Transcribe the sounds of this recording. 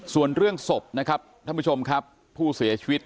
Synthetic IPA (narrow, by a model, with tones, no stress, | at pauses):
su˨˩ənɾɯ˥˩əŋso˨˩p̚na˦˥kʰa˦˥p̪̚ʰa˥˩pʰuː˥˩t͡ɕʰo˧mkʰa˦˥pʰːuː˥˩si˨˩˦ɐt͡ɕʰi˧wt̪̚